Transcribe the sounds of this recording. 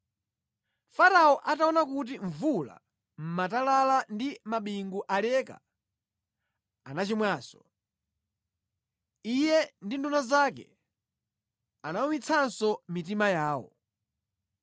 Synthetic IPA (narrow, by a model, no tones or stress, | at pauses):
faɾaɔʔataɔnakut̬iɱvula̰ | m̩matalalandimaɓiŋɡuʔalɛka̰ | anat͡ʃimwaːsɔ̥ | ijɛndindunazakɛ̰ | anamumit͡sʰansɔmit̬imajaːwɔ̰